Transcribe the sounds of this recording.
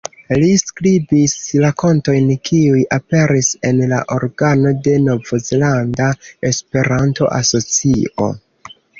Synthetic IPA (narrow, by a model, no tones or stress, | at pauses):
liskɾibislako̞nto̞jnkʰiujape̞ɾise̞nla̰ʔo̞ɾɡanode̞no̞vozelandae̞spe̞ɾanto̞̰ʔa̰so̞t͡sio̞̰